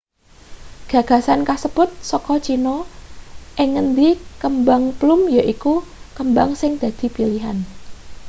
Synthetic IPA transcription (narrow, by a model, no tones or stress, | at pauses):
ɡ̥ä̤ɡ̥a̤sankasəpʊt̪̚sɔkɔt͡ʃinɔ | ʔɪŋənd̪ikəmbaŋplʊmjaʔikukəmbaŋsɪŋd̪̥ä̤d̪̥i̤piliɦa̰n